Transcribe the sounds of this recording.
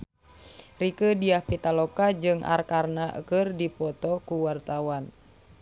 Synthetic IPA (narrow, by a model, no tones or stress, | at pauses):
rikədiahpit̪alɔkad͡ʒɨŋʔa̰rkarnaʔə̰kərdipɔt̪ɔkuwart̪awan